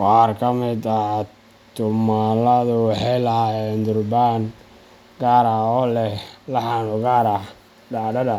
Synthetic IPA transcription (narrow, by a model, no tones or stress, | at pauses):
qaːrkʰɐmɪd̪a | t̪ʰʊmalɐðʊwɑħɑjlɐhajɛːnd̪ʊrbaːn | ɡaːɾaɔlɛhlɐħanʊɡaːɾa | ɖaːɖɐdɐ